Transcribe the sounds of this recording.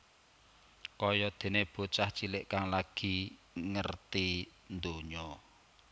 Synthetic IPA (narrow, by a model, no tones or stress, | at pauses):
kɔjɔd̪̥e̤neb̥o̤t͡ʃaht͡ʃilɪʔkaŋlaɡ̥i | ŋərt̪ind̪oɲɔ